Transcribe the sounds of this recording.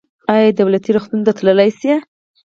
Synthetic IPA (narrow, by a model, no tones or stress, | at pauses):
ajad̪awlat̪iɾʊxt̪unt̪at̪ləlajsje